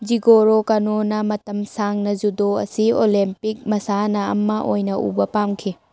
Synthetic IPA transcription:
d͡ʒiɡoɾokanonɐmɐtɐmsaŋnɐzudoɐ̰siolempik̚mɐsanɐɐ̰mːɐʔojnɐṵbɐpamkʰi

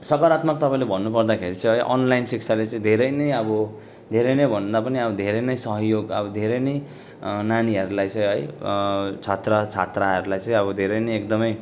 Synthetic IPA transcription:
sʌkʌɾat̪mʌk̚t̪ʌpãĩlebʱʌnːupʌrd̪akʰeɾit͡sʌ̃ĩɦʌjʔʌ̰nlajnsikt͡sʰalet͡sʌ̃ĩd̪ʱeɾʌjnʌjʌbʌ | d̪ʱeɾʌjnʌjbʱʌnd̪apʌniʌbʌd̪ʱeɾʌjnʌjsʌɦjoɡʌbʌd̪ʱeɾʌjnʌj | naniɦʌɾulajt͡sʌ̃j̃ɦʌj | t͡sʰat̪rʌt͡sʰat̪raɦʌɾulajt͡sʌ̃ĩʌbʌd̪ʱeɾʌjnʌjek̚d̪ʌmʌj

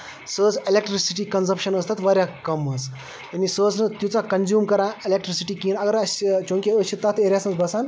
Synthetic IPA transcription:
səːt͡selekʈɾisiʈikɐnsɐpʃɐnəːst̪ʰɐt̪ʋɐɾʲjakɐmɦəs | t̪ɐnisəːt͡snɨt̪jut͡sakɐnzjuːmkɐɾãːelek̚ʈɾisiʈikiːnɐɡɐɾɐst͡ʃũːŋkʲiət͡ʃʰːit̪ɐt̪ʰeːɾʲjasnəsbɐsan

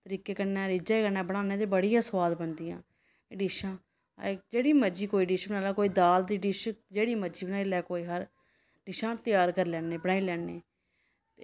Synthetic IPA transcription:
t̪əɾiːkeːkənɛ̃ːɾɪd͡ʒeːkənɛːbəɽ̃aːneːt̪eːbəɽijãːswaːd̪bənd̪ijãː | ɖɪʃãː | d͡ʒeːɽiːməd͡ʒiːkoːiːɖɪʃbənaːlaːkoːiːd̪aːld̪iːɖɪʃd͡ʒeːɽiːməd͡ʒiːbənaːilɛːkoːiːɦəɾ | ɖɪʃãːt̪ɪjaːɾkəɾlɛːneːbəɽaːilɛːnːeː | t̪eː

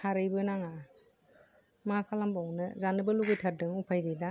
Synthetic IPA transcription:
kʰaɾɯjbɯnaŋa | makʰalambawnɯzanɯbɯluɡɯjtʰaɾ̚dɯŋupʰajdijda

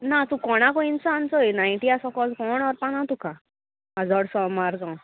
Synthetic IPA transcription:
nat̪ũkɔɽ̃akɔinsant͡sɔjnajɳʈiasɔkɔlkɔɳɔɾpanãt̪ukã | ad͡zɔɽsɔmaɾd͡zɔ̃

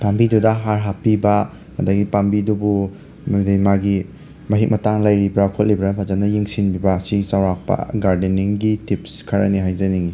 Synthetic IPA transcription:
pambidudɐɦaɾɦapːibɐ | mɐdaɡipambidubu | madejmaɡi | mɐɦik̚mɐtaŋlajɾibɾakʰotlibɾapʰazanɐjiŋsinbibɐsiɡsawɾak̚pɐ̰ɡaɾdeniŋɡitipskʰɐɾaniɦajzaniŋi

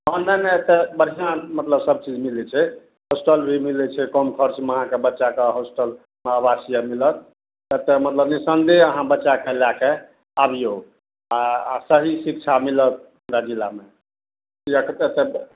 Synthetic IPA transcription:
ɦɔnəmeet̪ebəɽ̤ijãmət̪ləbsəb̚t͡ʃid͡ʒmilit͡ʃʰɛ | hosʈəlbʱimilɛt͡ʃʰɛkɔmkʰəɾt͡ʃməɦãkebətːʃakeɦosʈəl | mabasijəmilət̪̚ | et̪emət̪ləbnisənd̪eəɦãbətːʃakəlake | abʱijoɡ | asəɦisikt͡ʃʰamilət̪̚ | mɾad͡ʒilːame | kiekt̪et̪e

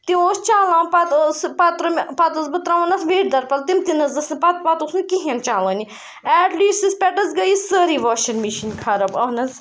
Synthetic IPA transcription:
t̪ioːst͡ʃaːlãːpɐt̪ːspɐt̪ɾɐmʲpɐt̪ɐsbɐt̪ɾãːʋɐnɐsʋeːʈd̪ɐɾpɐlt̪imt̪inɐzɐsipɐt̪̚pɐt̪usnkiɦẽnt͡ʃaːlɐːni | ɛːʈliːst̪ispʲɛʈɐzɡɐjisəːɾiʋoːʃɐnmiʃinkʰaɾɐbɐnɐz

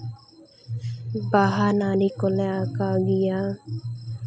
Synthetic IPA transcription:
baɦanaːɾikoleakaɡija

